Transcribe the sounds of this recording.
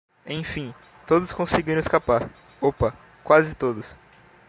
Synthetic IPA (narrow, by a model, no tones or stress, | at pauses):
ẽj̃fĩ | t̪od̪ʊskõsɪɡiɾɐ̃ɪskapaɾ | opɐ | kwazɪt̪od̪ʊs